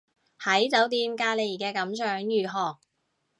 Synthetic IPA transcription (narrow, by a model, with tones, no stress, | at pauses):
hɐ˨˥jt͡sɐ˨˥wt̪iː˧mkaː˧le˨˩jkɛː˧kɐ˨˥msœː˨˥ŋjyː˨˩ɦɔː˨˩k̚